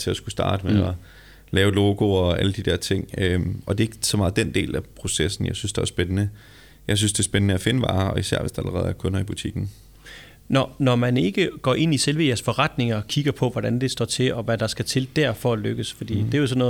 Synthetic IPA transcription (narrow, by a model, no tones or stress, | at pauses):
t͡sʰe̝ɒsɡ̥usd̥ɑ̈ːd̥əmeɒ | lɛːʊlo̝ːɡ̥o̝ɒæləd̥id̥eɐt͡sʰe̝ŋ̰øɒ̽d̥e̝e̝ɡ̥ə̥sɒ̽mɑ̈ːð̩ˠd̥end̥e̝̰ːlæpʰʁo̝sesn̩jɑ̈ɪsynsd̥eæɐsb̥enənə | jɑ̈ɪs̬ynsd̥e̝sb̥enənəæfe̝nəʋɑ̈ːɒ̽isæɐʋe̝sd̥ɑ̈æl̰əʁɛ̰ð̩ˠæɐkʰɔ̽nɐib̥ut͡sʰiɡ̥n̩ | nɒnɒmæne̝ɡ̥əɡ̥ɒ̰ːʔe̝n̰iselʋəjæɐsfɒ̽ʁɑd̥ne̝ŋɐɒkʰiɡ̥ɐpʰɒ̽ʋɒɾ̥ænd̥e̝sd̥ɒ̰ːt͡sʰe̝ɒ̽ʋæd̥ɑ̈sɡ̥æt͡sʰe̝ld̥æɐ̰fɒ̽æløɡ̥əsfɒ̽d̥ḭːd̥e̝jos̬ɒ̽nɔ̽ː